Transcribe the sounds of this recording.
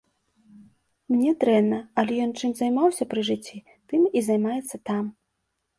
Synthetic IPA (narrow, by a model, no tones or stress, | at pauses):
mnʲɛd̪ɾɛnːɐɐlʲɛjɔnt͡ʂɨmzajmawsʲɐpɾɨʐɨt͡sʲːi | t̪ɨmizɐjmajɛt̪sːɐt̪am